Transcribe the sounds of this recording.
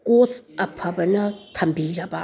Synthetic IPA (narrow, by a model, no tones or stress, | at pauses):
kosɐpʰɐbɐnɐtʰɐmbiɾɐba